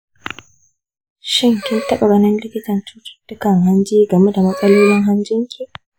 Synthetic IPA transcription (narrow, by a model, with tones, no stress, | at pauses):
ʃɪ˦ŋkʲɪ˦tɐ˦ɓa˨bɐ˦nɪ˦nlɪ˦kʲɪ˦tɐ˨nt͡ʃuː˦tʊ̥˨tːʊ˦kɐ˨ŋɦa˦nd͡ʒiː˦ɡɐ˨me˦da˨mɐ˦sʼɐ˦loː˦lɪ˦ŋɦa˦nd͡ʒɪ˦ŋkʲi˨